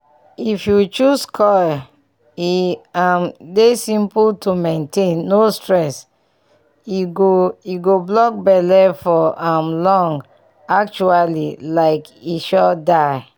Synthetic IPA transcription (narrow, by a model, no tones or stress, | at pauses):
ifjut͡ʃuskʰɔ | iãmdesĩmpultʰumẽntẽnːostɹɛs | iɡoiɡoblɔk̚bɛlɛfɔãmlɔ̃ŋɡ | ak̚t͡ʃualilaɪkiʃɔdaɪ